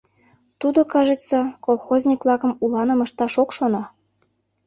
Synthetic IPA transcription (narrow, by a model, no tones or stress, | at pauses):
t̪ud̪okɑʒesɑkolˠxozʲnʲikvlˠɑkə̆mulɑnə̆mə̆ʃt̪ɑʃokʃonɑ